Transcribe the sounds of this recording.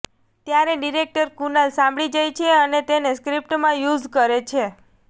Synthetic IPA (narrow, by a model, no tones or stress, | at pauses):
t̪jaɾeɖiɾek̚ʈəɾkunalsãmbɭid͡ʒajt͡ʃʰeənet̪eneskɾip̚ʈmãjud͡ʒkəɾet͡ʃʰe